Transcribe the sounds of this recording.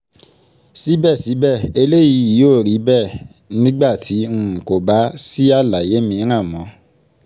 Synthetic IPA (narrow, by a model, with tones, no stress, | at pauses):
si˨˦bɛ˦˨si˨˦bɛ˦˨e˧le˦ji˨˧˦ji˨˦joː˦˨ɾi˨˦bɛ˦˨ | nĩ˦ɡ͡ba˦˨tʰĩ˨˦˨ko˨ba˨˦si˦a˦˨la˨je˨˦mĩ˧˦ɾ̃ã˦˨mɔ̃˨˦